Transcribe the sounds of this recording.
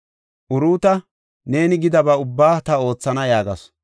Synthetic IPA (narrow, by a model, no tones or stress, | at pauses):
ʔʊɾuːt̪ɐ | ne̞ːnɪɡɪd̪ɐbɐʊbːaːt̪ɐo̞ːt͡sːɐnɐjaːɡɐ̰s